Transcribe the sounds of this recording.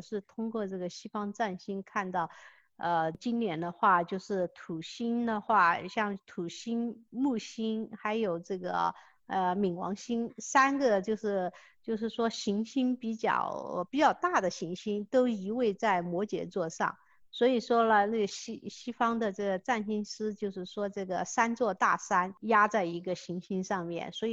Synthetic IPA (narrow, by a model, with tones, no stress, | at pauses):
ʂɻ̩˥˩t̪ʰʊ˥ŋkwɔ˥˧ʈ͡ʂɤ˥˩ɡə˩ɕi˥fɑ˥ŋʈ͡ʂa˥˩nɕi˥nkʰa˥˧nt̪ɑ˥˩ʊ | ə˧t͡ɕi˥nnjɛ˧˥nd̪ə˧xwa˥˧t͡ɕjo˥˧ʊʂɻ̩˥˩t̪ʰu˨˩ɕi˥nd̪ə˨xwa˥˩ɕjɑ˥˩ŋt̪ʰu˨˩ɕi˥nmu˥˩ɕi˥nxa˧˥ɪjo˨˩ʊʈ͡ʂɤ˥˩ɡə̰˩ | ə˧mi˨˩ŋwɑ̰˧˥ŋɕi˥nsa˥nɡə˨t͡ɕjo˥˧ʊʂɻ̩˥˩t͡ɕjo˥˧ʊʂ̬ɻ̩˥˩ʂwɔ˥ɕi˧˥ŋɕi˥npi˧˥t͡ɕjɑ̰˥˨˩ʊpi˨˩t͡ɕjɑ˥˧ʊt̪a˥˩d̪ə˩ɕi˧˥ŋɕi˥nt̪o˥ʊi˧˥we˥˧ɪt͡sa˥˩ɪmwɔ˧˥t͡ɕjɛ̰˨˩t͡swɔ˥˧ʂɑ̰˥˩ŋ | swɔ˧˥i˨˩ʂwɔ˥lə˨na˥˩ɡə˩ɕi˥ɕi˥fɑ˥ŋd̪ə˨ʈ͡ʂɤ˥˩ɡə˩t͡sa˥˩nɕi˥nʂɻ̩˥t͡ɕjo˥˧ʊʂɻ̩˥˩ʂwɔ˥ʈ͡ʂɤ˥˩ɡə˩sa˥nt͡swɔ˥˧t̪a˥˩sa˥nja˥t͡sa˥˩ɪi˧˥ɡə˧ɕi˧˥ŋɕi˥nʂɑ˥˧ŋmjɛ̰˥˩nswɔ˧˥i˨˩